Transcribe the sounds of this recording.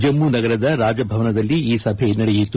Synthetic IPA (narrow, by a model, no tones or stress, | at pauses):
d͡ʒɐmːunɐɡɐɾɐd̪ɐɾaːd͡ʒɐbʱɐʋɐnɐd̪ɐlːiiːsɐbʱenɐɽejit̪ːu